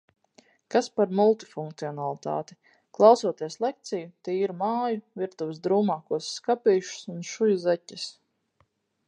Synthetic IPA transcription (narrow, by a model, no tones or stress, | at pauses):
kaspaɾmulˠt̪ifuŋkt̪siɔnalˠit̪a̰ːt̪i̥ | klˠɑwsuɔt̪iɛslˠek̚t̪sijut̪iːiɾmaːjuviɾt̪uvɪsd̪ɾuːmaːkuɔsːkapiːʃu̥sunʃujuzɛcɪs